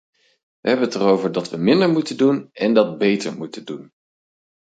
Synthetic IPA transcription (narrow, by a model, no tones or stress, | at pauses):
ʋəɦɛbənətərowvəɹdɑtʋəmɪndəɹmutəndunɛndɑd̚bejtə̰ɹmutəndun